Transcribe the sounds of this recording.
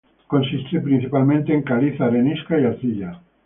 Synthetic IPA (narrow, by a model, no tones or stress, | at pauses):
ko̞nsist̪epɾin̟θipalmẽnt̪eːŋkaliθaɾeniskaiaɾθiʎa